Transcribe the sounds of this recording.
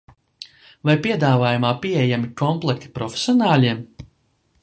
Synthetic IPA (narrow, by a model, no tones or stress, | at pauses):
vajpiɛd̪aːvaːjumaːpiejamikɔmplˠɛkt̪i̥pɾɔfʲe̥sʲiɔnaːlʲiɛm